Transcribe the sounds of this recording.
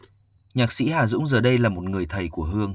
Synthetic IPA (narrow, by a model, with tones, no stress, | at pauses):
ɲaː˨˩k̚sḭ˧˥haː˨˩zʊ̰˧˥ŋ͡mzəː˨˩ɗə˧jlaː˨˩mo˨˩t̚ŋɨ˨˩əjt̪ʰə˨˩jku˧˩əɦɨ˧əŋ